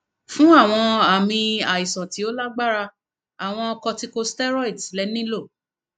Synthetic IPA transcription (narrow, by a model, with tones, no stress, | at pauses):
fũ˦a˦˨w̃ɔ̃˧a˨mĩ˧a˨i˨sɔ̃˨ti˨˦o˦la˦ɡ͡ba˦ɾa˧ | a˨w̃ɔ̃˧ɔ˧kɔ˧ti˧ko˧stɛ˦ɾɔ˦i˨dlɛ˦nĩ˦lo˦˨